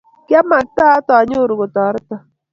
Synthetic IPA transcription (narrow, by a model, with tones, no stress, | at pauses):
kɪ˦ɛ˦ma˨k̚ta˦tɔ˨˦ɲʊ˦˨ɾu˨ɡo˨tɔ˨˦ɾɪ˦tɔ˨